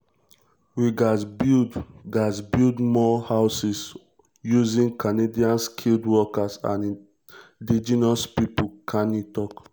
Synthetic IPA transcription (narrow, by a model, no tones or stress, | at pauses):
wiɡasbidɡasbildmɔhaʊsis | juzĩnkanediãnskʰildwɔkasã̰n | did͡ʒinɔspipukʰanitɔk